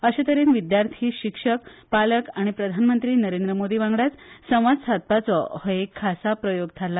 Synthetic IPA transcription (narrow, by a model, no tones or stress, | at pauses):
əɕat̪əɾenʋid̪jaɾt̪ʰiːɕikʂəkpaləkaɽ̃ipɾəd̪ʱanmənt̪ɾiːnəɾend̪ɾəmod̪iːʋãŋɡɽat͡ssəm̃ʋad͡zsʰat̪̚pat͡sɔhəekʰːasapɾəjoɡ̚t̪ʰala